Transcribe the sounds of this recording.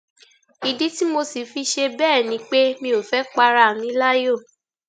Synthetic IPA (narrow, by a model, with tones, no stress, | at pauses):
i˨di˨˦ti˦mo˧si˨fi˧ʃe˧bɛː˦˨nĩ˨˦k͡pe˦mĩ˧o˨fɛ˨˦k͡pa˧ɾa˧˨mĩ˨˦la˦jo˦˨